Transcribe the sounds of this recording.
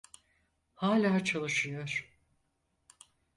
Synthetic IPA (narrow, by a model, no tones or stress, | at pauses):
haːlʲaːt͡ʃʰalˠɯʃɯjo̞ɾ̥